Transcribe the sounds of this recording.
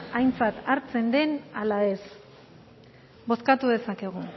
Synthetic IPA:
ajnt͡sat̪aɾt͡se̞nd̪e̞nalae̞s | bo̞skat̪uðe̞sake̞ɣ̞u

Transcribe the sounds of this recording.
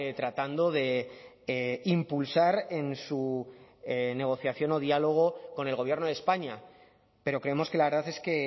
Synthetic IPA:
t̪ɾat̪and̪o̞ðe̞ | impulsaɾe̞nsu | ne̞ɣ̞o̞θjaθjo̞no̞ðialo̞ɣ̞o̞ko̞ne̞lɣo̞βje̞ɾno̞ðespaɲa | pe̞ɾo̞kɾeemo̞ske̞laβɾð̞aθe̞ske̞

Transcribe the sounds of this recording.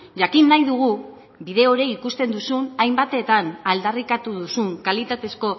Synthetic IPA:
ʝakinːajðuɣ̞u | βiðe̞o̞ɾe̞ikust̪e̞nd̪usunajmbat̪e̞t̪anald̪arikat̪uðusuŋkalit̪at̪e̞sko̞

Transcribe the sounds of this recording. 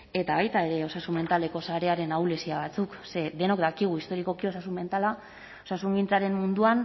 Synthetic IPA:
e̞t̪aβajt̪ae̞ɾe̞o̞sasume̞nt̪ale̞ko̞saɾe̞aɾe̞nawle̞siaβ̞at͡sukse̞d̪e̞nokd̪akiɣ̞uist̪o̞ɾiko̞kio̞sasume̞nt̪ala | osasuŋɡint͡saɾe̞mmund̪uan

